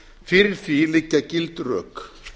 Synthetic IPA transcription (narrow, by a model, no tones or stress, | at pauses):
fɪɾθilɪcːacɪlt̪rœ̰ːk